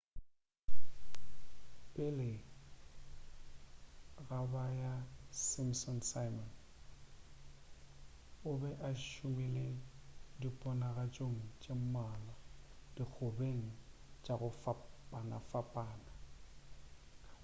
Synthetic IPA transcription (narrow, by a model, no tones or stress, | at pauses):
pʼɪlɪ | ɣabajasɪmsɔnsajmɔn | ʊbɛʔaʃʊmiledipʼɔnaɣat͡ʃʼoŋ̩t͡ʃʼem̩maːlɔd̥ik͡xʰʊbeŋ̩t͡ʃʼaɣʊfapʼana̰fapʼaːna